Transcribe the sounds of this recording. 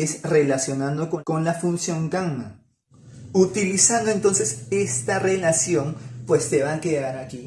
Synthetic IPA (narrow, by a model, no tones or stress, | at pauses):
esre̞lasjo̞nãnd̪o̞koko̞nlafunsjo̞ŋɡaŋma | ut̪ilisand̪o̞e̞nt̪o̞nse̞se̞st̪are̞lasjo̞ŋpwe̞st̪e̞βakeðaɾaki